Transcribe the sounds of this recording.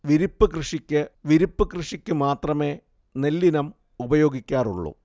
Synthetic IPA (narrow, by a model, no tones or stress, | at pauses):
ʋiɾipːɨkrɨʂikʲːɨʋiɾipːɨkrɨʂikʲːɨmaːt̪rɐme̞ː | nelːinɐm | ubɐjo̞ːɡikʲːaːruɭːṵ